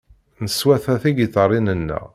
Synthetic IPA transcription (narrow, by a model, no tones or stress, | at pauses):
nəswæθæθiɡiθərˤːinənːæ̰